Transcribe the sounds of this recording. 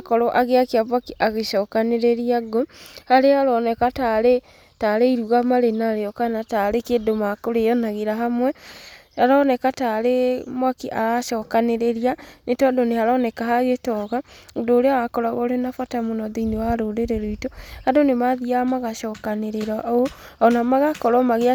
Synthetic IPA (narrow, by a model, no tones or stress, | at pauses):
akɔɾɔʔaɣeakeaβakiʔaɣeʃɔkaneɾeɾiaɡohaɾeaɾɔnɛkataɾe | taɾeiɾuɣamaɾenaɾeɔkanataɾekedomakoɾejɔnaɣeɾaɦamwɛ | aɾɔnɛkataɾemwakiʔa̰ɾaʃɔkaneɾeɾianetɔadonehaɾɔnɛkaɦaɣetɔɣadoːɾeaɣakɔɾaɣɔɾenafatamonɔðeinewaɾoɾeɾeɾoitohadonemaðiamaɣaʃɔkaneɾeɾaʔ | ɔnamaɣakɔɾɔmaɣea